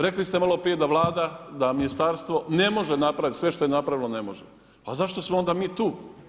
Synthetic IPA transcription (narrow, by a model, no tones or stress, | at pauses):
ɾe̞klist̪e̞malˠo̞pɾijed̪aʋlˠaːd̪ad̪aminist̪aɾst̪ʋo̞ne̞mo̞ʒenapɾaʋit̪sʋe̞ʃt̪o̞jenapɾaʋilone̞mo̞ʒe | azaʃt̪osmoond̪amiːt̪uː